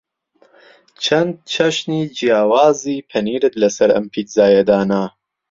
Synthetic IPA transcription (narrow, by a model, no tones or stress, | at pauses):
t͡ʃʰɐnd̪̚t͡ʃʰɐʃniːd͡ʒijaːwaːziːpʰɐniːɾɨt̪lɐsɐɾɐ̰mpʰiːt̪zaːjɐd̪aːnaː